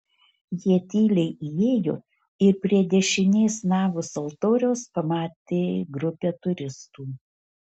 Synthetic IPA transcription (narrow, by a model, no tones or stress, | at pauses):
jiɛt̪ʲiːlʲɛɪʔieːjʊ | ɪɾpʲɾʲiɛd̪ʲɛʃʲɪnʲeːsnɑːʋʊsɐlˠt̪oːɾʲɛʊspɐmɑːt̪ʲeːɡɾʊpʲɛːt̪ʊɾʲɪst̪uː